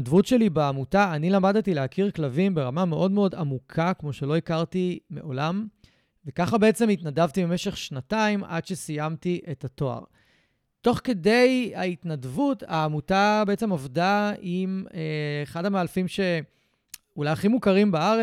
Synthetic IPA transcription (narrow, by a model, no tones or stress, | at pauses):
dvutʃe̞libeamutaːnilamadetilehakʰiʁklavimbe̞ʁamame̞ʔo̞dmeo̞damukʰakmo̞ʃe̞lo̞ikaʁtime̞̰ʔo̞̰lam | vekaχabe̞et͡semitnadavtibeme̞ʃe̞χʃnataimʔa̰dʃe̞sijamtiʔetato̞a̰ʁ | to̞χke̞de̞ja̰itnadvutaːmutabeet͡se̞movdaimeːχadamealfimʃe̞ | ulajaχimukaʁimbaaʁe